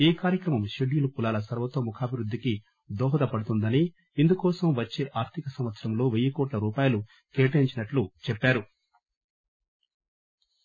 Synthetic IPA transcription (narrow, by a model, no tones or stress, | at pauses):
eːkaːɾjɐkɾɐmɐmʃeɖijulukulaːlɐsɐɾʋɐt̪oːmukʰaːbʱiɾud̪ʱːiki | d̪ɔːɦɐd̪ɐpɐɽut̪und̪ɐniː | nd̪ukɔːsɐmʋɐt͡ʃːeːʔaːɾt̪ʰikɐsɐmʋɐt̪sɐɾɐmlo̞ːʋejɐkɔːʈlɐɾuːpaːjɐlu | keːʈɐiɲt͡ʃinɐʈlut͡ʃɛpːaːɾu